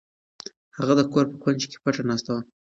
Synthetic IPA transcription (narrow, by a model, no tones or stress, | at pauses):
haɣad̪əkoɾpəxwand͡ʒke̥paʈ͡ʂanɑst̪awa